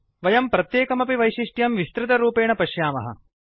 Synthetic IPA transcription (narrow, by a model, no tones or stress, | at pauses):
ʋɐjɐmpɾɐt̪jeːkɐmɐpiʋɐjʃiʂʈjɐmʋist̪ɾɪt̪ɐɾuːpeːɳɐpɐʃjaːmɐ̰ɦɐ̰